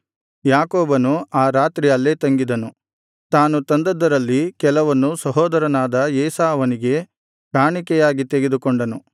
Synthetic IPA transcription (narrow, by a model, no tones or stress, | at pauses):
jaːkoːbɐnuaːɾaːt̪ɾijɐlːe̞ːt̪ɐŋɡid̪ɐnu | t̪aːnut̪ɐnd̪ɐd̪ɐɾɐlːikɛlɐʋɐnːusɐɦɔːd̪ɐɾɐnaːd̪ɐɛːsaːɐʋɐniɡe̞ | ɡaːɳikɛjaːɡit̪eɡe̞d̪ukɔɳɖɐnu